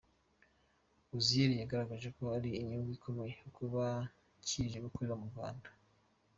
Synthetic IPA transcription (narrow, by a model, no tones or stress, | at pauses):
uzieɾijaɡaɾaɡaʒe̞koaɾiːɲiɡikʰomeejeukuβa | ciʒeɡokuɾiβamuɾɡa̰ːndḁ